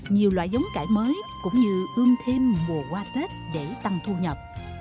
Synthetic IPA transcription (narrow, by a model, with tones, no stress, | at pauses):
ɲi˨˩əwlwa̰ː˧˨jzə˨˦wŋ͡mkaː˧˩jməː˨˦jkʊ̰˧˥ŋ͡mɲɨ˧ʔɨ˧əŋt̪ʰe˧mmu˨˩əkwaː˧t̪e˦˥t̚ɗe˧˩t̪a˧ŋt̪ʰu˧ɲə˨˩p̚